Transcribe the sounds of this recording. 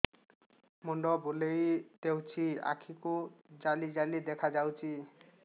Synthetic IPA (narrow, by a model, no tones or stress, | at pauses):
mɔɳɖɔbolejt̪ewt͡ʃʰia̰kʰikud͡ʒalid͡ʒalid̪ɛkʰad͡ʒawt͡ʃʰi